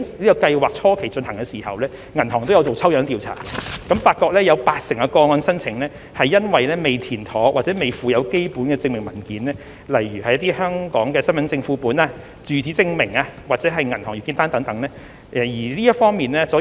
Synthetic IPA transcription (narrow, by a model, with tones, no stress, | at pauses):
liː˥kɔ˧kɐ˧jwaː˨k̚t͡sʰɔː˥kʰe˨˩jt͡ʃɵ˧nhɐ˨˩ŋkɛ˧siː˨˩hɐ̰˨wlɛː˥ | ŋɐ˨˩nhɔː˨˩ŋt̪o˥wjɐ˨˧wt͡so˨wt͡sʰɐ˥wjœː˨˥ŋt̪iː˨˧wt͡sʰa̰ː˨˩ɛ˧kɐ˨˥mfaː˧t̚kɔː˧k̚lɛː˥jɐ˨˧wpaː˧t̚sɪ˨˩ŋkɐ˧kɔː˧ŋɔː˧nsɐ˥nt͡sʰɪ˨˩ŋlɛː˥ | hɐ˨jːɐ˥nwɐ˨jlɛː˥me˨˩jt̪ʰiː˨˩nt̪ʰɔː˨˥ŋwaː˨t͡sɛː˨˥me˨jfuː˨˧jɐ˨˧wke˥jpuː˨˥nkɛː˧t͡sɪ˧ŋmɪ˨˩ŋmɐ˨˩nkiː˨˥nlɛː˥ | lɐ˨˩jjyː˨˩hɐ˨jɐ˥t̪̬iː˥hœː˥ŋkɔː˨˥ŋkɛː˧sɐ˥nmɐ˨˥nt͡sɪ˧ŋfuː˧puː˨˥naː˧ | t͡syː˨˧t͡siː˨˥t͡sɪ˧ŋmɪ˨˩ŋaː˧waː˨t̚t͡sɛː˨˥ɦɐ˨jŋɐ˨˩nt̪ɔː˨˩jyː˨˩ki˧nt̪aː˥nt̪ɐ˨˥ŋt̪ɐ˨˥ŋnɛː˥ | ʔɛ˨jiː˨˩liː˥jɐ˥fɔː˥ŋmiː˨nlɛː˥sɔː˨˥